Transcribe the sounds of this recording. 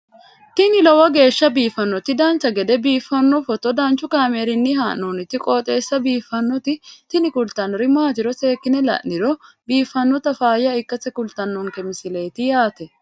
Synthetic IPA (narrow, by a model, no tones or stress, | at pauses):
t̪ɪnɪlɔwɐɡe̞ːʃːɐbiːfɐnːɔt̪ɪd̪ɐnt͡ʃːɐɡɛd̪ɛbiːfːɐnːɔfɔt̪ːɔd̪ɐnt͡ʃːʊkaːmeːɾɪnːɪɦaːʔnoːnɪt̪ːɪkʼoːt̪ʼe̞ːsːɐbiːfːɐnːɔt̪ɪt̪ɪnɪkʊlt̪ɐnɾɪmaːt̪ɪɾɔse̞ːkːɪnɛlɐ̰ʔnɪɾɔ | biːfːɐnːɔt̪ɐfaːjɐɪkːɐsɛkʊlt̪ɐnːɔŋkɛmɪsɪle̞ːt̪ɪjaːt̪ɛ